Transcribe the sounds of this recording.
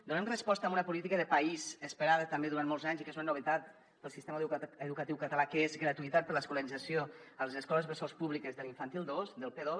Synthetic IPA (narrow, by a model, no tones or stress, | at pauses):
d̪unɛmrəspɔst̪əmunəpulit̪ikəðəpaizəspəɾaðət̪ambeðuɾanmolˠzaɲzikəswanuβət̪at̪ | p̪əlˠsist̪eməðukət̪iwkət̪əlakəezɣɾət̪uit̪at̪̚pəɾləskuləɾizasioəlˠəzəskɔləzβəsospuβlikəzðəliɱfant̪ilˠd̪osd̪əlˠpeðo